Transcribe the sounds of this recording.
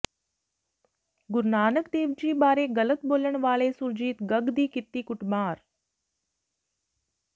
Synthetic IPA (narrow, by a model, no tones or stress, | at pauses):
ɡʊɾnaːnəkd̪eːʋd͡ʑiːbaːɾeːɡələt̪̚boːləɳ̃ʋaːɭesuɾd͡ʑiːt̪ɡəɡd̪iːkɪt̪ːiːkʊʈmaːɾ